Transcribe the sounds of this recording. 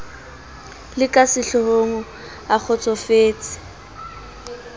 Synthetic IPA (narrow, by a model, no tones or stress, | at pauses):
lɪkʼasɪɬɔhoŋʊ | ak͡xʰɔt͡sʰʼɔfeːt͡sʼɪ̥